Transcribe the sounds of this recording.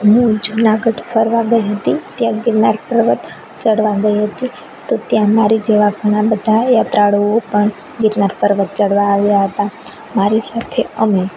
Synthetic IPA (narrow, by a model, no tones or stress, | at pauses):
ɦũd͡ʒunaɡəʈfʰəɾʋãɡəiɦət̪it̪jãɡɪɾnaɾpəɾʋət̪ | t͡ʃəɽʋãɡəiɦət̪i | t̪ot̪jãmaɾid͡ʒeʋaɡʱəɽ̃abəd̪ʱajat̪ɾaɽoopəɳ | ɡɪɾnaɾpəɾʋət̪̚t͡ʃəɽʋaːʋjaɦət̪a | maɾisat̪ʰeəme